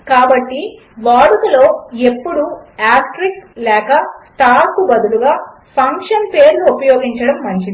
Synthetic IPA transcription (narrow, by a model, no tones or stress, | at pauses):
kaːbɐʈːi | ʋaːɽukɐlo̞ːe̞pːuɽuaːkʈɾikslɛːkɐsʈaːpkubɐd̪uluɡaː | pʰɐŋkʂɐnpeːɾluupɐjoːɡiɲt͡ʃɐɽɐmːɐɲt͡ʃii